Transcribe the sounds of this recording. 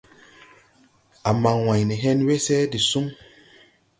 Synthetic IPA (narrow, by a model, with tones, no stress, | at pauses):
a˨ma˨ŋwa˨ɲni˨ɦɛ˦nwe˦sɛ˦di˨su˦m